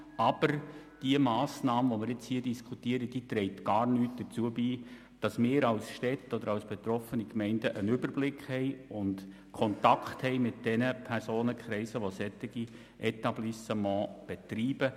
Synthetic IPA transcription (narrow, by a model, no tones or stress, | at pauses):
ɑb̥əɾd̥iəmɑːsnɑːməʋomɪɾɪt͡shiːdiskʰutiəɾəd̥iːt̪ɾɛɪtɡ̥ɑːɾnyːt̚d̥əɾt͡suəbiː | d̥ɑsmɪːɾɑʊsʃtɛtːɔd̪əɾɑlsb̥et̪ɾɔfənikmɛɪndəʔənʏbərblɪkʰχhɛɪʊnd | kʰɔntɑkχthɛɪmɪt̚d̥ɛnəpʰɛrsoːnəkχɾɛɪsəʋosɛt̪ːɪɡ̥i | ʔɛtɑblisəmɑ̃ːb̥ɛtɾiːb̥ə